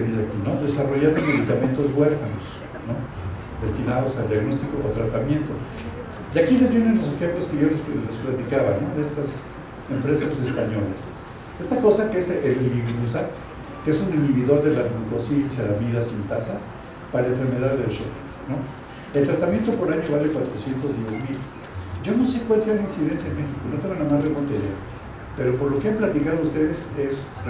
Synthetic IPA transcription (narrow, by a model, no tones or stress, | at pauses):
ðizeakino̞ðe̞saro̞ʝaɾd̪ome̞ðikament̪o̞zβwe̞ɾfanos | no̞ | ðe̞st̪inað̞o̞sald̪jaɣno̞st̪ikoʔat̪ɾat̪amjẽ̞nt̪o̞ | jakile̞zβjenenlo̞s̬e̞xemplo̞skeʝoleslesplat̪ikaβano̞ðest̪as | empɾe̞sase̞spaɲo̞las | e̞st̪ako̞sakeeseʔeliβiɣɣusa | keesuniniβiðo̞ɾðe̞lapuŋk̪osinsaamiðasint̪asa | paɾaleɱfe̞ɾme̞ðaðːelʃo̰t̪ | no̞ | e̞lt̪ɾat̪amje̞nt̪o̞po̞ɾaɲoβalekwat̪ɾosje̞nt̪o̞zðjezmil | ɟ͡ʝo̞no̞se̞kwalse̞alainsiðe̞nsjaenme̞xiko̞no̞t̪e̞ŋɡonamazremont̪eɾe | pe̞ɾo̞po̞ɾlo̞keamplat̪ikað̞oust̪e̞ðe̞se̞s